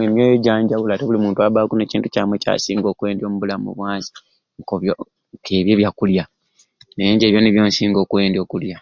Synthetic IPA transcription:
emjoːjeɟaːɲɟaβulateβulimuːntuaβaːkuneciːntucaːmweca̰sḭːŋɡo̞ːkwe̞ːndjo̞ːmuβulamṵβwaːsi̥ | ŋkoβjo | kʰeβjeβjakulja | neeːɲɟeːβjoːniβjoːnsiːŋɡo̞ːkuwe̞ːndjo̞ːkulja

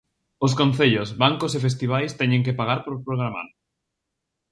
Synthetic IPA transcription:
oskõn̟θeʎosβaŋkosefes̬t̪iβ̞ajst̪ɛɲẽŋkepaɣaɾpoɾpɾoɣ̞ɾama̰ɾ

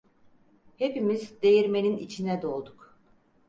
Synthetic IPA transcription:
hepimizd̪e̞jiɾme̞ninit͡ʃʰinɛd̪o̞lˠd̪uk

